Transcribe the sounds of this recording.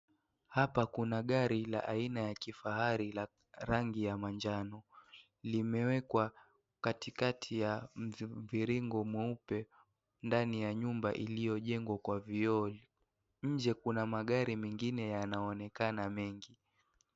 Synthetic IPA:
hapakunaɠaɾila̰ʔainajakifaɦaɾila | ɾaŋɡijamaɲd͡ʒanɔ | limɛwɛkwa | katikatʰijamviɾiŋɡɔmwɛupɛ | ndanijaɲumba̰ʔilijɔʄɛŋɡwakwaviɔli | ɲ̩d͡ʒɛkunamaɠaɾimɛŋɡinɛjanaɔnɛkanamɛŋɡi

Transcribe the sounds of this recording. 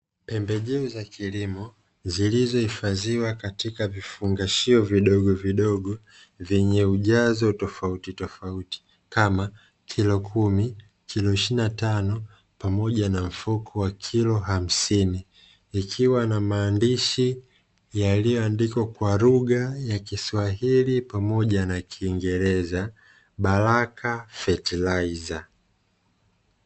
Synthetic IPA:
pɛmbɛʄɛuzakʰilimɔ | zilizɔhifaziwakatikavifuŋɡaʃiɔviɗɔɠɔviɗɔɠɔ | vɛɲɛuʄazɔutɔfautitɔfauti̥ | kama | kʰilɔkʰumi | kʰilɔiʃinatanɔ | pamɔʄanam̩fukʰɔwakʰilɔɦam̩siniː | kʰiwanamaːndiʃi | jalijɔandikwakwaɾuɠajakiswaɦilipamɔʄanakʰiːŋɡɛɾɛza | ɓaɾakʰafɛtilaiza

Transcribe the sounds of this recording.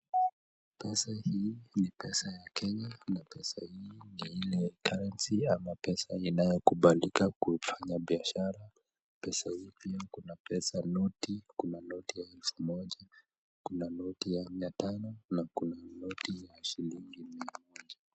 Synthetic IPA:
pɛsahiːnipɛsajakʰɛɲanapɛsahiːniilɛkʰaɾɛnsiamapɛsainajɔkuɓalikakufaɲaɓiaʃaɾa | pɛsahipiakunapɛsanɔtikunanɔtijaɛlfumɔʄa | kunanɔtijamiatanɔnakunanɔtijaʃiliŋɡimiamɔʄa

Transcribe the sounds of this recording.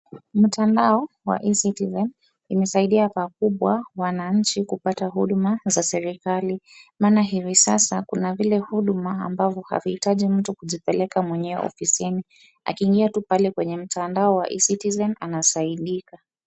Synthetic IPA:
m̩tʰandaɔ | wa̰ʔisitizɛn | imɛsaiɗiapakuɓwawanaɲ̩t͡ʃikupataɦuɗumazasɛɾikalimaːnaɦivisasakunavilɛhuɗuma̰ːmbavjɔha̰vihitaʄim̩tukuʄipɛlɛkamwɛɲɛwɛ̰ɔ̰fisini | a̰kiːŋɡiatupalɛkwɛɲɛm̩tandaɔwa̰ʔḭsitizɛnanasaiɗika

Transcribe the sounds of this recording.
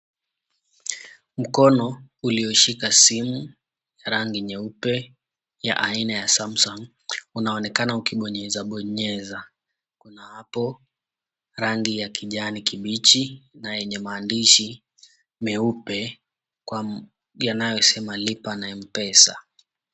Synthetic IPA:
m̩kɔnɔuliɔʃikasimu | jaɾaŋɡiɲɛupɛ | ja̰ʔainajasamsɔŋ | unaɔnɛkanaukiɓɔɲɛzaɓɔɲɛza | kunahapɔ | ɾaŋɡijakʰiʄanikiɓit͡ʃinajɛɲɛmaːndiʃi | mɛupɛ | kwa | janajɔsɛmalipanaim̩pɛsa̰

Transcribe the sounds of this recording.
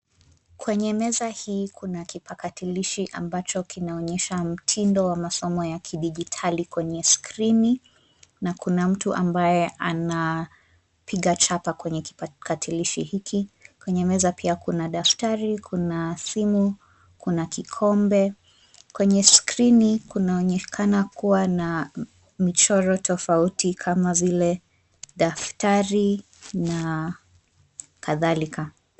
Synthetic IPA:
kwɛɲɛmɛzahiːkʰunakipakatiliʃiʔa̰mbat͡ʃɔkʰinaɔɲɛʃam̩tʰindɔwamasɔmɔjakʰiɗiʄitʰalikwɛɲɛskɾini | nakunam̩tuʔa̰mbajɛʔana | pʰiɠat͡ʃapakwɛɲɛki̥pakatʰiliʃihikʰikwɛɲɛmɛzapiakunaɗaftaɾikʰunasimu | kunakikʰɔmbɛ | kwɛɲɛskɾinikunaɔɲɛkʰanakuwana | mit͡ʃɔɾɔtʰɔfautikʰamavilɛ | ɗaftaɾi | na | kaðalika

